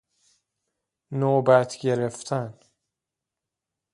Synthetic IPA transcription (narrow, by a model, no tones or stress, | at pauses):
nobæt̪ʰɡeɾeft̪ʰæn